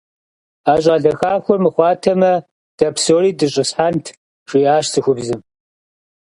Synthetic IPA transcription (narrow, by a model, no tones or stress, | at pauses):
aːɕʼɐɮɐxaːxʷʊmɨχʷɑːtʰɐmɐ | d̥ɐpʰsoːriːdɨɕʼɪsħantʰ | ʂiːaːʂsɨxʷʊbzɨm